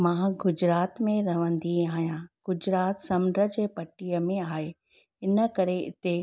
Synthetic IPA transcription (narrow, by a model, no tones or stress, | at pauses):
mãːɡʊd͡ʑɾaːt̪mẽɾɐʋ̤ə̃n̆d̪iaːɦijãɡ̥ʊd͡ʑɾaːt̪sɐ̃md̪ʱɾəd͡ʑeːpɐʈijəmẽaːɦe | ɪnəkɐɾeɪ̰t̪e